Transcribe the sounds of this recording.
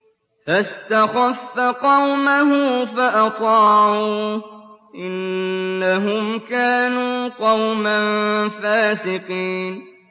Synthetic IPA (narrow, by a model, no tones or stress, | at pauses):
fast̪axɑfːaqɑwmaɦʊfaʔɑt̪ˤɑːuː | ʔɪnːaɦʊmkaːnuːqɑwmanfaːsɪqiːn